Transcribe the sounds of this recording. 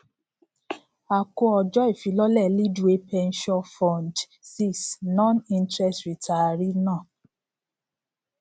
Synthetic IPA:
a˨ko˧˦ɔ˨d͡ʒɔ˦e˦˨fi˨˦lɔ˦lɛ˦˨li˦du˦e˦pɛ˧nʃɔ̃˦fɔ̃˧nd | si˦˨snɔ̃˦nĩ˧ntɾɛ˦stɾi˨ta˨ɾi˦nãː˦˨

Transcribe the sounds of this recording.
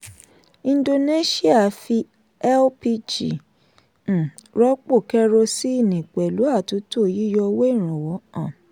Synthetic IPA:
ĩ˧n˦do˧ne˦ʃi˦a˦˨fi˧ | ɛ˦lpi˦˧d͡ʒḭ˨ | ɾɔ˦k͡po˦˨kɛ˦ɾo˧si˦i˦˨nĩ˨k͡pɛ˨lu˨˦a˦˨tu˨˦to˦˨ji˦jɔ˧we˦i˦˨ɾ̃ũ˨wɔ˨˦ã˦˨

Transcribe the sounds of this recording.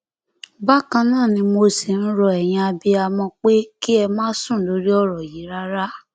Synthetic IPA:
ba˦kã˧nãː˦˨nĩ˧mo˧si˨ñ̩˦ɾɔ˧ɛ˨j̃ĩ˧a˧bi˧a˧mɔ̃˧k͡pe˦ki˦ɛ˧mãː˦sũ˦˨˦lo˨˦ɾi˦ɔ˦˨ɾɔ˨ji˨˦ɾa˦ɾa˦

